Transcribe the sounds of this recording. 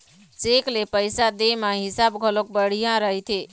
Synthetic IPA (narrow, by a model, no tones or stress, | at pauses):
t͡ʃeklepəjsad̪emãɦɪsabɡʱəlok̚bəɽ̤ijãɾəɦt̪ʰi